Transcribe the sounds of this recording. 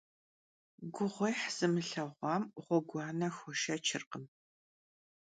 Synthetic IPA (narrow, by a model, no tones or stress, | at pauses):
ɡʷʊʁʷɔjħz̥ɨmɨɬɐʁʷɑːmʁʷɔɡʷɑːnɐxʷɔʃɐt͡ʃʰɪrqəm